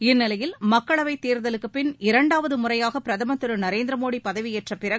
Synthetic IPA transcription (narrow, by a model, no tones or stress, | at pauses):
ɪnːɪlɐjɪlmɐkːɐɭɐʋɐɪt̪ːeːɾðɐlɯkːɯpːɪnɪɾɐɳɖaːʋɐðɯmʊrɐjaːɣɐpɪɾɐðɐmɐt̪ːɯɾɯnɐɾeːnd̪ɾɐmoːɽipɐðɐʋieːʈrɐpːɪrɐɣ